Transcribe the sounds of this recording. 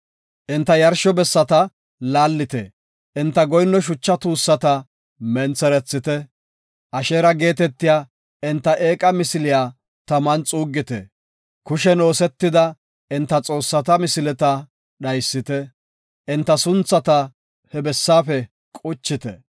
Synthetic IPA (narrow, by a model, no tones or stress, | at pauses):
ʔɪnt̪ːɐjɐɾʃɔbɛsːɐt̪ɐ | laːlːɪt̪ɛ | ʔɪnt̪ːɐɡɔjnːɔʃ̬ʊt͡ʃːɐt̪uːsːɐt̪ɐ | mɛnt͡sɛɾɛt͡sːɪt̪ɛ | ʔɐʃeːɾɐɡe̞ːt̪ɛt̪ːɪjaː | ʔɪnt̪ːɐʔe̞ːkʼɐmɪsɪlɪjaː | t̪ɐmɐnt͡sʼuːɡːɪt̪ɛ̰ | kʊʃɛno̞ːsɛt̪ːɪd̪ɐ | ɪnt̪ːɐt͡sʼo̞ːsːɐt̪ɐmɪsɪlɛt̪ɐ | ɗɐjsːɪt̪ɛ | ʔɪnt̪ːɐsʊnt͡sːɐt̪ɐ | hɛbɛsːaːfɛ | kʼʊt͡ʃːɪt̪ɛ̰